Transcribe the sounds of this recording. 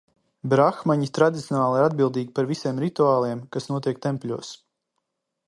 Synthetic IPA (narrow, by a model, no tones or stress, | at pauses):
bɾaxmaɲit̪ɾad̪ʲit̪sʲjɔnaːlˠiɾad̪̚bilˠd̪iːɡʲipaɾvisiɛmɾit̪uaːlˠiɛmkasnuɔt̪iɛk̚t̪ɛmpʲlʲuɔs